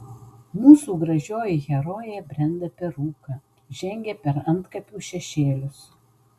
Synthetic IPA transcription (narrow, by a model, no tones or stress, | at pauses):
muːsuːɡɾɐʒʲoːjɪɣʲɛɾoːjbʲɾʲɛnʲd̪ɐpʲɛɾuːkɐ | ʒʲɛŋʲɡʲɛpʲɛɾɐnt̪kɐpʲuːʃʲɛʃʲeːlʲʊs